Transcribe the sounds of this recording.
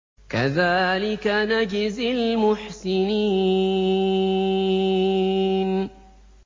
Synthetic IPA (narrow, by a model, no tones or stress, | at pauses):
kaðaːlɪkanad͡ʒɪzɪlmʊħsɪniː | n